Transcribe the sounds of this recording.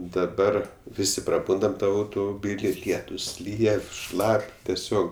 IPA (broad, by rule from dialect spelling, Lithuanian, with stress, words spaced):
dɐˈbɐr ˈʋʲɪsʲɪ prɐˈbʊndɐm ˈtɐm ɐʊtʊmʊˈbʲiːlʲɪ ˈlʲiɛtʊs ˈlʲiːjɛ ˈʃlˠɐpʲ tʲɛˈsʲoːk